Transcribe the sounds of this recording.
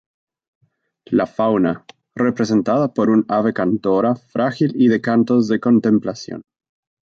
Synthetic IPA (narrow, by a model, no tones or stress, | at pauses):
lafawna | re̞pɾes̬e̞nt̪aðapo̞ɾunaβe̞kant̪oɾafɾʔaxiliðe̞kant̪ozðeko̞nt̪e̞mplasjo̰n